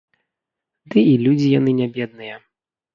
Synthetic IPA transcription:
d̪ɨilʲud͡zʲijanɨnʲabʲɛd̪̚nɨjɛ

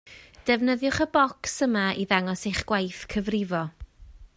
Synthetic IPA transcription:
d̥ɛvnəðjʊχəbɔksəmaiðaŋɔsejχɡ̥wajθkʰəvrɪvɔ

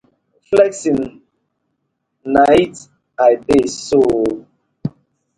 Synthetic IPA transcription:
flɛksin | najt | ajbeso

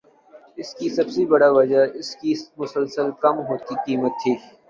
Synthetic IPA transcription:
ɪskisɐbsebɐɽaʋɐd͡ʒaɪskimʊsəlsəlkɐmɦoːt̪iqiːmət̪ʰːiː

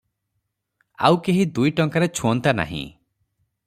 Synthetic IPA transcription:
a̰wkeɦid̪ujʈɔŋkaɾet͡ʃʰuɔnt̪ana̰ɦḭ̃

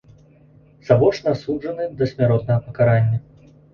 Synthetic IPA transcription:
zabɔʂnasuʐɐnɨd̪ɐsʲmʲaɾɔt̪̚nɐɣɐpɐkaɾanʲːɐ

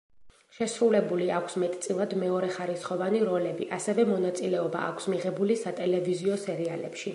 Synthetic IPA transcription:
ʃɛsɾulɛbuliakʰsmɛt̪ʼt̪sʼilˠad̪mɛɔɾɛχaɾisχɔvaniɾɔlɛbḭʔasɛvɛmɔn̪at̪sʼilɛɔba̰ʔa̰kʷʰsmiʁɛbulisat̪ʼɛlɛviziɔsɛɾialɛ̰pʃi

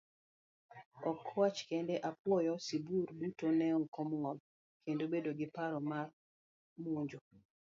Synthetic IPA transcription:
ɔkːwat͡ʃkendɛʔap̚wɔjɔsiburbutonɛɔkɔmɔl | kendobedoɡɪpaɾɔmar | muɲd͡ʒo

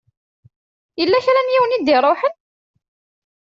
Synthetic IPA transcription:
jəlːæçɾænjiwənid̪iɾˤoħən

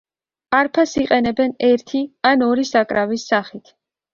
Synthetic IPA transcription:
aɾpʰasiqʼɛnɛbɛnɛɾt̪ʰianɔɾisakʼɾavisːaχit̪ʰ

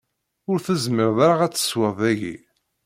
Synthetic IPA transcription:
ʊɾθəzməɾðaɾaʁæt͡sːə̥swəðˤæʝḭ

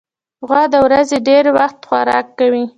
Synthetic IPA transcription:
ɣwɑd̪əwɾazeɖeɾwaxt̪xwaɾɑ̰kːawi

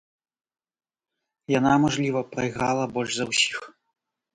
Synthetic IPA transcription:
janamɔʐlʲivɐpɾɐjɣɾalˠɐbɔlʲʐzɐwsʲi̥x

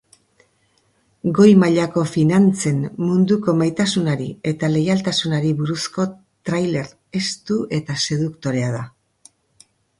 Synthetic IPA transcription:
ɡo̞jmaʎako̞finant͡se̞nmund̪uko̞majt̪asunaɾie̞t̪ale̞jalt̪asunaɾiβuɾusko̞ | t̪ɾajle̞ɾ | e̞st̪uʔe̞t̪ase̞ðukt̪o̞ɾe̞aða

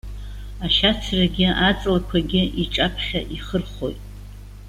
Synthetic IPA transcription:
aʃat͡sʰraɡʲɪat͡sʼlakʷʰaɡʲɪiʈ͡ʂʼapʰχʲaʔiχərχo̞̰jtʼ

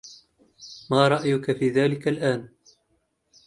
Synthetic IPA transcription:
maːɾˤɑʔjʊkafiːðaːlɪkalʔaːn

